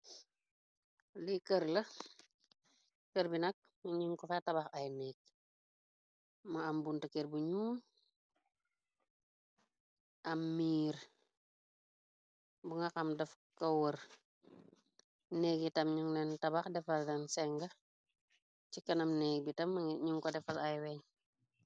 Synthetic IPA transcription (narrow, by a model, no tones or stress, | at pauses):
likəɾlɐ | kəɾbinɐk̚ | ɲiŋkɔfatɐbaxɐjnɛːk̚ | mɐambuntɐkeɾbuɲuːm | ʔɐmːiːɾ | buŋakɐmdɐf | kɐwəɾ | neːɡ̚itɐmɲuŋlɛntɐbaxdɛfɐldɛnsɛŋɡɐ | t͡ʃikɐnɐmneːɡbitɐmɲuŋkɔdɛfɐlɐjwɛɲ